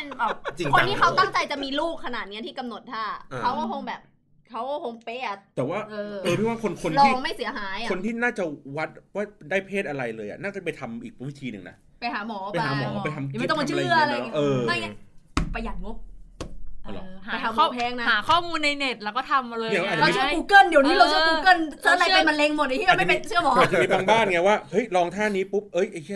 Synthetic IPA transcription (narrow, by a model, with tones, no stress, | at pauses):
a˧nbɛː˨˩p̚t͡ɕi˧ŋkʰo˧niː˦˥˩kʰa˦˥wt̪a˥˩ŋt͡ɕa˧jt͡ɕa˨˩ʔmiː˧luː˥˩kʰːa˧naː˨˩t̪̚ni˦˥ɐt̪ʰiː˥˩ka˧mno˨˩t̪̚t̪ʰːaː˥˩˧kʰa˦˥wkɔː˥˩kʰo˧ŋbɛː˨˩p̚ | kʰa˦˥wkɔ˥˩kʰo˧ŋpeː˧˩a˨˩t̪ɛː˨˩waː˥˩ʔɤː˧ʔɤː˧i˥˩waː˥˩kʰo˧nkʰo˧nlɔːiː˥˩˧ŋma˥˩jsi˨˩˦ɐɦaː˩˦jʔa˨o˧nt̪ʰiː˥˩naː˥˩t͡ɕa˨˩wa˦˥t̪̚waː˥˩daː˥˩jpʰeː˥˩t̪̚ʔa˧ɾa˧jlɤː˧jʔa̰˨˩naː˥˩t͡ɕa˨˩pa˧jt̪ʰa˧mʔiː˨˩k̚wi˦˥t̪ʰiː˧nɯ̰˨ŋna̰˦˥ | pa˧jhaː˩˦mɔː˩˦a˧haː˩˦mɔ̰ː˩˦pa˧jt̪ʰa˧m˨˧˥t̪ɔ˥˨˧t͡ɕʰːɯ˥˩ɐ˨˧a˧˨˧ʔɤː˧a˥˩jɲi˦˥pa˧ja˨˩t̪̚ŋo˦˥p̚ | lhaː˨˧jaː˨˦ɔː˥˩pʰɛː˧˥ŋna˦haː˩˦kʰɔː˥˩muː˧nːa˧jne˨˩t̪̚lɛː˧˩wkɔː˥˩t̪ʰa˧mːa˧lːn˧˦ʔa˨˩˨ɾa˧t͡ɕʰkuː˧˥kɤ˥˩ndi˨˦wniː˦˥lo˧t͡ɕʰɯ˥ku˧˥kɤ˥˩nsʰa˥˩˨la˧jpa˧nma˧nle˧ŋmo˨˩nːʰ˧˥i˥˧˨ma˥˩pe˧nt͡ɕʰɯ˥˩ɐmɔː˨˦˨t͡ɕa˨˧i˧baː˧ŋbaː˥˩nŋa˧˥˩waː˥˩hɤ˦˥jɾɔː˧ŋt̪ʰaː˥˩niː˦˥pu˦˥p̚ʔɤ˦˥jʔe˧kʰi˥˩